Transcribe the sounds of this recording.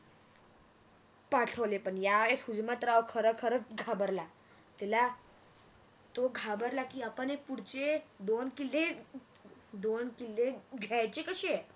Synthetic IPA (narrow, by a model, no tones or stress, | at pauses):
paʈʰəʋlepəɳjaeshud͡ʑmat̪ɾaʋkʰəɾəkʰəɾət͡sɡʱabəɾla | t̪ɛla | t̪oɡʱabəɾlakiːapənepuɽt͡ɕed̪onkile | d̪onkileɡʱajt͡ɕekəɕe